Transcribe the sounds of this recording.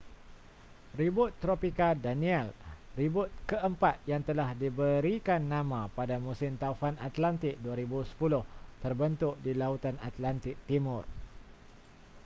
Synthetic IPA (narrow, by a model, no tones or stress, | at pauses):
ribʊt̪ːɾopikadanĩɛlribʊt̪̚kəʔəmpat̪̚jaŋt̪əlahdibəɾikanːãmãpadamũsɪmt̪aufanat̪lant̪ɪk̚duaɾibusə̥pulʊht̪ərbənt̪ʊk̚dilaut̪anat̪lant̪ɪk̚t̪imʊr